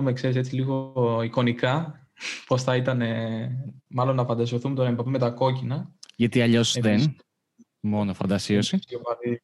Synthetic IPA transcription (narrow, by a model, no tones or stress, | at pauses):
mekse̞ɾiset͡siliɣo̞iko̞nikɐ | po̞sθɐit̪ɐne̞ | mɐlo̞nːɐfɐnd̪ɐsio̞θumet̪o̞ɾɐembɐpime̞t̪ɐko̞cinɐʝɐt̪iɐʎo̞sðen | mo̞nofɐnd̪ɐsiosiopɐli